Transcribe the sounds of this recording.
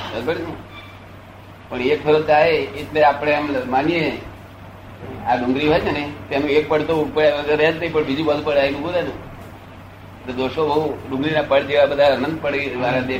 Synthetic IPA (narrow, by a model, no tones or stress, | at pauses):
bəd̪pəɽnũ | pəɳek̚t̪ʰəɾət͡ʃaɦeet̪leapɽ̃eəmmanie | aɖʊ̃ŋɡɾiɦajt͡ʃʰeneit̪enũek̚pəɽt̪oupəɾʋəɡəɾɛəd͡ʒnəɦĩpəɳbid͡ʒũbəd̪pəɽainũɡũɾenũ | t̪od̪oʃobəɦuɖʊ̃ŋɡɾinapəɽd͡ʒeʋabəd̪ʱaənə̃nd̪̚pəɽʋaɾat̪e